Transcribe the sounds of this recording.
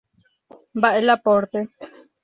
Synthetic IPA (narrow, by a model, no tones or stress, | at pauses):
mbaʔelapoɾt̪e